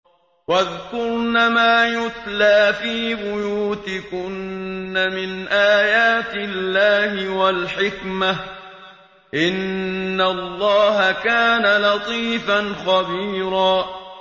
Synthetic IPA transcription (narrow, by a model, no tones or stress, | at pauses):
waðkʊɾnamaːjʊt̪laːfiːbʊjuːt̪ɪkʊnːamɪnʔaːjaːt̪ɪlːaːɦɪwalħɪkma | ʔɪnːalˤːɑːɦakaːnalɑt̪ˤiːfanxɑbiːɾɑː